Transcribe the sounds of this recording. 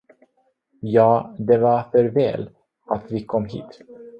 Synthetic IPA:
jɑːd̪ɛvafœɾvɛ̰ːl | at̪vɪkʰɔmːɦḭːt̪

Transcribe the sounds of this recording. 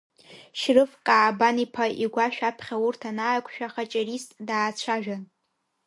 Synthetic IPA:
ʃrɨfkʼaːbanipʰaʔiɡʷaʃᶣapʰχʲaurtʰanaːjkʷʰʼʃᶣaχat͡ʃʼaɾistʼdaːt͡ɕʷʰaʒᶣan

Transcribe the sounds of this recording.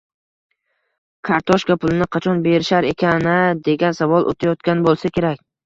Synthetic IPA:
kʰaɾt̪ʰɒʃkapʰʊlˠɪnɪqʰɑt͡ʃʰɒnbe̞ɾɪʃaɾe̞kʲʰanɪd̪e̞ɡʲansavɒlˠʔo̰t̪ʰajɒt̪̚kʲanbolˠsakʲʰe̞ɾakʲ

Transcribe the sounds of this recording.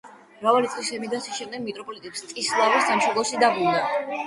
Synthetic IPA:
mɾavalit̪sʼqʼlisɛmid̪asiʃɛmd̪ɛɡ̚mit̪ʼɾɔpʼɔlit̪ʼɛpst̪ʼislˠavisamʃɔlˠɔʃid̪abulna

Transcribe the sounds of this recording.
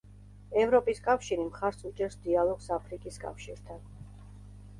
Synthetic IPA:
ɛvɾɔpʼiskʼafʃiɾimχaɾsut͡ʃʼɛɾsd̪ialˠɔɡsapʰɾikʼiskʼa̰fʃiɾt̪ʰan

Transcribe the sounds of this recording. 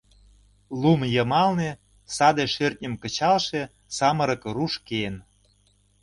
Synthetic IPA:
lumjɤ̆mɑlne | sɑd̪eʃørt̪̚nʲə̆mkə̆t͡ɕɑlʃe | sɑmə̆ɾɤ̆kruʃken

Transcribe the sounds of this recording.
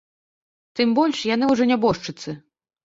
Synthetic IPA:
t̪ɨmbɔlʲʂjan̪ɨwʐɔnʲabɔʂt͡ʂɨt̪sɨ

